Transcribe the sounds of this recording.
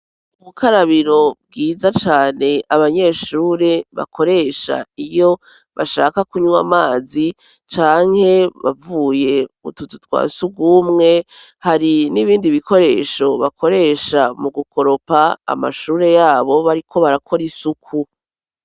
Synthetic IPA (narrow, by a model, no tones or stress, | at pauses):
uuβukʰaɾaβiɾo̞bɡiːzat͡ʃaːne̞aβaɲe̞ːʃuːɾe̞βa̰kʰo̞ɾe̞ːʃa̰ijo̞ | βaʃaːkakuɲuwamaːzi | t͡ʃaːŋ̥he̞βavuːje̞ṵtututwa̰ːsubɡumŋe̞ | haɾiniβiːndiβiko̞ɾe̞ːʃo̞βakʰo̞ɾe̞ːʃamuɡukʰo̞ɾo̞paa̰ma̰ʃuːɾe̞jaːβo̞βaɾikʰo̞βaɾakʰo̞ɾisukʰu